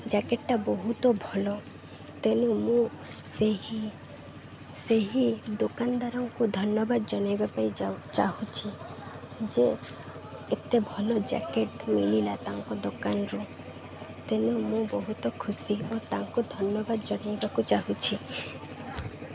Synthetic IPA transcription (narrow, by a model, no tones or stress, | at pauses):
d͡ʒakeʈʈabɔɦut̪ɔbʱɔlɔ | t̪enũmũ | seɦi | seɦid̪okand̪aɾɔŋkud̪ʱɔnjɔbad̪d͡ʒɔnajbapajat͡ʃaɦut͡ʃʰi | d͡ʒe | et̪ebʱɔlɔd͡ʒa̰keʈmililat̪aŋkɔd̪okanɾũ | t̪enũmũbɔɦut̪ɔkʰusiot̪aŋkud̪ʱɔnjɔbad̪d͡ʒɔnajbakut͡ʃaɦut͡ʃʰi